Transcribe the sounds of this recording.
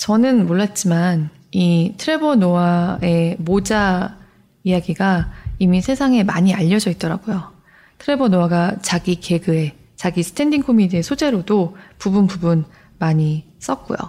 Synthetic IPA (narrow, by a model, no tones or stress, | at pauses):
t͡ɕʌnɯnmoɭːat̚t͡ɕ͈iman | itʰɯɾe̞bʌnowae̞mod͡ʑa | ijaɡiɡaimisʰe̞sʰaŋe̞maɲiaʎːʌd͡ʑʌit̚t͈ʌɾaɡ̥ojo | tʰɯɾe̞bʌnoaɡat͡ɕaɡike̞ɡɯe̞ | t͡ɕaɡisʰɯ̥tʰe̞ndiŋkʰomidiesʰod͡ʑe̞ɾodopubunpubun | maɲi | s͈ʌk̚k͈ṵjo̰